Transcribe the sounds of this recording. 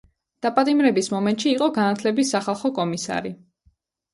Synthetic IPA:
d̪̥apʼat̪ʼimɾɛbismɔmɛnt̪ʼʃiːqʼɔɡanat̪ʰlɛbisːaχalˠχɔkʼɔmisa̰ɾi

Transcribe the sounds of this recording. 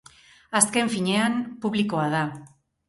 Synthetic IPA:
aske̞ɱfiɲe̞anpuβliko̞að̞a

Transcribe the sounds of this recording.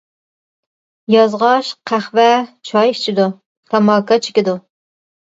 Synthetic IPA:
jɑzʁɑʃqʰæχvɛt͡ʃʰɑjʃt͡ʃʰɪd̪u | t̪ʰɑmɑːkɑt͡ʃʰɪ̥kʲɪd̪u

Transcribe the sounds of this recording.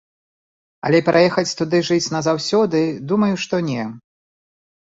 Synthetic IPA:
ɐ̰lʲɛpɾʔajɛxɐt͡sʲt̪ud̪ɨʐɨt͡sʲnɐzawsʲɔd̪ɨd̪umɐjuʂt̪ɔnʲɛ

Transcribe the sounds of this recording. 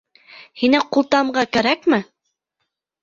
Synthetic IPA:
hinæqulˠt̪ɑmɢɑkæɾækmɘ

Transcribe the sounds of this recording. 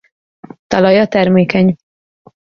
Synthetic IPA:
t̪ɒlɒjɒt̪ɛrmeːkɛɲ

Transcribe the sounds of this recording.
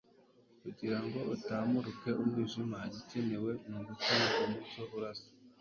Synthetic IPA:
kuɟiɾaŋɡo̞ʔutaːmuɾuke̞ʔumwiːʒumaɟice̞ne̞we̞muɡutanakumut͡ʃoβuɾasi̥

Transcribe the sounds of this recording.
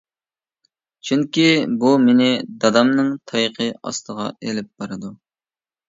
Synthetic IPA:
t͡ʃʰyŋkʲibumenɪd̪ɑd̪ɑmnɨŋt̪ʰɑjqʰəɑ̰st̪ʰəʁɑ̰elɪp̚b̥ɑɾɨd̪u

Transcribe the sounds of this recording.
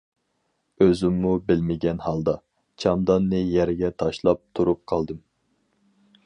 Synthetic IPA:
øzymːubɪlmɪɡʲɛnhɑlˠd̪ɑ | t͡ʃʰɑmd̪ɑnːɨjæɾɡʲɛt̪ʰɑʃlˠɑp̚t̪ʰuɾup̚qʰɑlˠd̪ɨm

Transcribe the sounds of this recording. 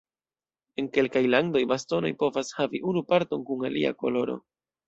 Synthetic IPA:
e̞ŋke̞lkajlando̞jbasto̞no̞̰jpo̞vashaviʔunupaɾto̞ŋkuŋalia̰ko̞̰lo̞ɾo̞̰

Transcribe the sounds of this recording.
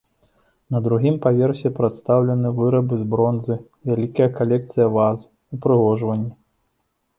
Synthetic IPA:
nɐd̪ɾuɣʲimpavʲɛrsʲɛpɾat̪st̪awlʲɐn̪ɨvɨɾɐbɨzbɾɔnzɨ | vʲalʲikɐjɐkalʲɛk̚t̪sɨjɐvaz | upɾɨɣɔʐvɐnʲːi

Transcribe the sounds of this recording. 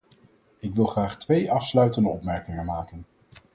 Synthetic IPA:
ɪkʋɪlˠχraːχtʋejʔɑfslœɥtəndəɔpmɛɹkɪŋənmaːkən

